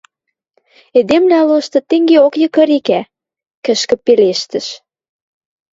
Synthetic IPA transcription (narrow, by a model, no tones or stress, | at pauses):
ed̪emlæloʃt̪ɤ̆t̪eŋɡeokjɤ̆kə̆ɾikæ | kə̆ʃkə̆peleʃt̪ə̆ʃ